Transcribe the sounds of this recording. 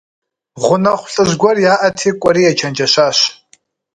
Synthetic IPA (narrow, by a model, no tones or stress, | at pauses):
ʁʷʊnɐχʷʊɬʼɨʒɡʷɔrjaːʔɐtʰiːkʷʼɔɾiːjɛt͡ʃʰɐnd͡ʒʼɐʃaːʃ